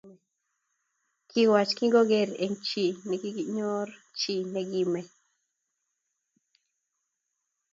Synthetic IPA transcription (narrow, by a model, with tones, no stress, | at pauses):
kʰi˦wa˨t͡ʃki˦ŋɡo˦ɡe˦˨ɾe˨ŋt͡ʃi˨nɛ˨ɡi˦ɲo˦r | t͡ʃi˨nɛ˨ɡi˨me˨